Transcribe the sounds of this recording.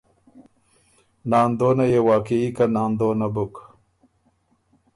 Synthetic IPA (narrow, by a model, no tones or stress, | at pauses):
nɑːnd̪oːnajewaːkeikanɑːnd̪oːnabʊk